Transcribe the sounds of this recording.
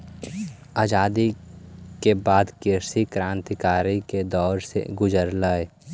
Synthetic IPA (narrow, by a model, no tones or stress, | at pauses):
aːd͡ʒaːd̪ikebaːd̪keɾsikɾãːnt̪kaːɾiked̪ɔːɾsḛɡʊd͡ʒəɾlaːe